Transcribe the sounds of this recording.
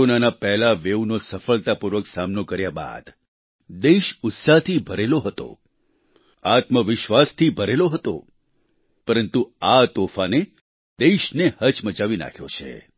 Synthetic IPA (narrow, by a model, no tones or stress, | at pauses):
onanapɛɦlaʋeunosəfəɭt̪apuɾʋəksamnokəɾjaba̰d̪ | d̪eʃʊt̪sat̪ʰibʱəɾeloɦət̪o̰ | at̪məʋɪʃʋast̪ʰibʱəɾeloɦət̪o̰ | pəɾənt̪uat̪ofane | d̪eʃnehət͡ʃməd͡ʒaʋina̰kʰjo̰t͡ʃʰḛ